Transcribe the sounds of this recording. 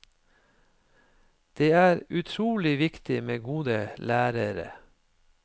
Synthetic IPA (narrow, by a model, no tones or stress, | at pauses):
d̪̥eːæːɾʉt̪ʰɾuːlɪʋɪkt̪ɪmeːɡuːd̪əlæːɾəɾə̰